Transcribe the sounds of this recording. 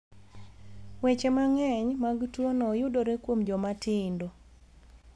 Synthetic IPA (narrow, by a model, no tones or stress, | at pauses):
wɛt͡ʃemaŋɛɲmaɡtwonɔjʊdoɾekwomd͡ʒɔmatɪndo